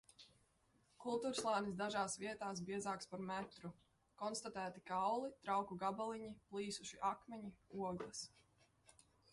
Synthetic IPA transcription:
kulˠt̪uːɾslˠaːnisd̪aʒaːsviɛt̪aːs̬biɛzaːkspaɾmɛt̪ɾu | kɔnst̪at̪æːt̪ikawlˠit̪ɾawkuɡabalˠiɲiplˠiːsuʃiʔakmɛɲiuɔɡlˠɐs

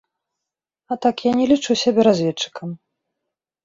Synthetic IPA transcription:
ɐt̪akjanʲɛlʲit͡ʂusʲabʲɛɾazʲvʲɛtt͡ʂːɨ̥kɐm

